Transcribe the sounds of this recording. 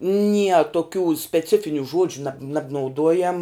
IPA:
nʲiɛ toːˈkʲuː sʲpʲɛˈt͡sʲɪfʲɪnʲʊ ˈʒuɔd͡ʒʲʊ nɐp nɐbnɐʊˈduɔjɛm

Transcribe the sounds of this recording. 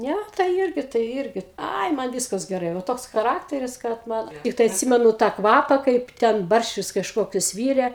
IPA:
ˈnʲɛ tɐɪ ˈɪrʲɡʲɪ tɐɪ ˈɪrʲɡʲɪ ˈɐɪ mɐn ˈʋʲiːskɐs ɡʲɛˈrɐɪ ʋɐ ˈtoːks xɐˈrɑːktʲɛrʲɪs kɐt ˈmɐn ˈtʲɪktɐɪ ɐtʲˈsʲɪmʲɛnʊ tɑː ˈkʋɑːpɐ ˈkɐɪp tʲɛn ˈbɐrʲʃʲt͡ʃʲʊs kɐʃˈkoːkʲʊs ˈʋʲiːrʲɛ

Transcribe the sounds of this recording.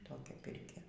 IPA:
ˈtoːkʲɛ ˈpʲɪrʲkʲɛ

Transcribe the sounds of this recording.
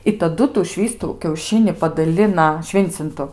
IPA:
ɪ tɐˈdʊ tuː ˈʃʲʋʲiːstuː kʲɛʊˈʃʲɪnʲɪ pɐdɐˈlʲɪnɐ ˈʃʲʋʲɪnʲt͡sʲɪntʊ

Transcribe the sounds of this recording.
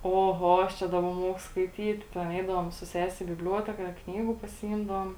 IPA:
oːˈɣoː ɐʃ ˈt͡ʃʲɛ dɐˈbɐ ˈmuɔkʊ skɐɪˈtʲiːt tʲɛn ˈɛɪdɐʋoːm sʊ ˈsʲæːsʲɪ iː bʲɪbʲˈlʲuɔtʲɛkɐ ˈknʲiːɡʊ pɐsʲɪˈiːmdɐʋoːm

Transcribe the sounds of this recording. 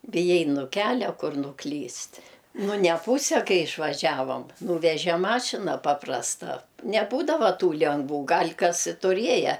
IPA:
bʲɪˈjɛɪ nʊ ˈkʲæːlʲɛ ˈkʊr nʊˈklʲiːsʲtʲ nʊ nʲɛˈpuːsʲɛ ˈkɐɪ ɪʃʋɐˈʒʲæːʋoːm ˈnuːʋʲɛʒʲɛ ˈmɑːʃʲɪnɐ ˈpɑːprɐstɐ nʲɛˈbuːdɐʋɐ ˈtuː lʲɛŋɡˈʋuː ˈɡɐlʲ kɐs ɪ tʊˈrʲiɛjɛ

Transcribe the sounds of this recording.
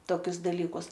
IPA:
ˈtoːkʲʊs dɐˈlʲiːkʊs

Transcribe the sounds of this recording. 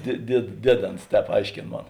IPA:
dʲiɛ dʲiɛt ˈdʲiɛˌdʲeːns ˈtʲɛːp ˈɐɪʃʲkʲeːn ˈmoːn

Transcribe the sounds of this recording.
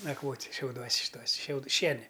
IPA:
nɐkˈʋoːtʲ ʃʲɛʊˈduɔsʲ ʃʲɪˈtuɔsʲ ʃʲɛʊt ˈʃʲiɛnʲɪ

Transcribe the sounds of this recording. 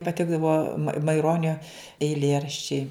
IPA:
pɐˈtʲɪɡdɐʋoː mɐɪˈroːnʲoː ɛɪˈlʲeːrɐʃʲt͡ʃʲɛɪ

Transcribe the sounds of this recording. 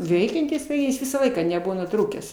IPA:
ˈʋʲɛɪkʲɛnʲtʲɪs tɐɪ ˈjɪs ˈʋʲɪsɑː ˈlˠɐɪkɑː nʲɛˈbʊʋoː nʊˈtruːkʲæːs

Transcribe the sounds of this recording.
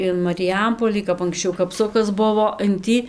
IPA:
ɪn mɐrʲɪˈjɛmpoːlʲiː kɐp ɐŋksʲˈt͡ʃʲɛʊ kɐpˈsʊkɐs ˈbʊʋoː ɪn ˈtʲiː

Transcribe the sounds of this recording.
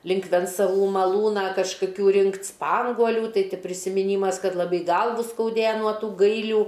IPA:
ˈlʲɪŋk ʋʲɛnt͡sɐˈʋuː mɐˈlˠuːnɑː kɐʃkɐˈkʲuː ˈrʲɪŋktʲ ˈspɐŋɡuɔlʲuː ˈtɐɪ ˈtʲɪ pʲrʲɪsʲɪmʲɪˈnʲiːmɐs ˈkɐt lˠɐˈbɐɪ ˈɡɐlˠʋʊ skɐʊˈdʲeːjɛ nuɔ ˈtuː ˈɡɐɪlʲuː

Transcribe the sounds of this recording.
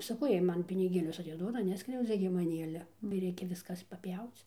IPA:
sɐˈkɐʊ ˈjiɛj ˈmɐn pʲɪnʲɪˈɡʲeːlʲʊs ɐtʲɪˈduɔdɐ ˈnʲæːskrʲɛʊd͡zʲɛ ɡʲɪ mɐˈnʲiː ˈɑːlʲɛ ɡʲɪ ˈrʲɛɪkʲɛ ˈʋʲɪskɐs pɐˈpʲjɛʊt͡s

